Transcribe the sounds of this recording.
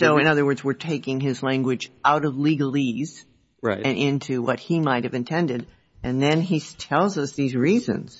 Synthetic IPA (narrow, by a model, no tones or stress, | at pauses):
soʊɨ̃ñʌðə˞wɜ˞dzwɪɹtʰeɪkɪ̃ŋɪzlæ̃ŋɡwɨd͡ʒʔaʊɾʌvliɡl̩ˠiz̥ | ɹa̰ɪɨ̃nʔɪ̃ntʰʉwʌt̚himaɪt̚hɨvɨ̃ntʰɛ̃ndɨɾ | ʔɨ̃nðɨ̃nitʰɛlˠzʌsðizɹizɨ̰̃nz̥